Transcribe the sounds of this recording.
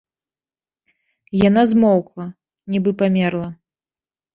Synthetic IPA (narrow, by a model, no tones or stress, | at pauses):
janazmɔwklˠɐ | nʲibɨpamʲɛrlˠɐ